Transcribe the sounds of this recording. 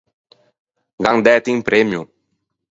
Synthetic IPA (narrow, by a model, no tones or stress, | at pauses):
ɡaŋd̪ɛt̪iŋpɾɛmju